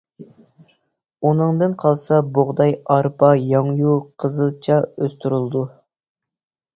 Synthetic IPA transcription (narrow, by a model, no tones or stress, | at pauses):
unɨŋd̪ɨnqʰɑlˠsɑboʁd̪ɑjɑɾpʰɑjɑŋjuqʰəzɨlˠt͡ʃʰɑøst̪ʰyɾɨlˠd̪u